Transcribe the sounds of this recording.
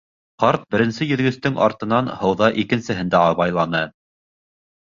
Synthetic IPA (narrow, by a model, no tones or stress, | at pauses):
qɑɾt̪̚bɘ̆ɾɘ̆nsɘjɵ̆ðɡɵ̆st̪ɵŋɑ̰ɾt̪ɤ̆nɑnhɤ̆wðɑʔikɘ̆nsɘ̆ɦɘnd̪æɑβɑjlˠɑnɤ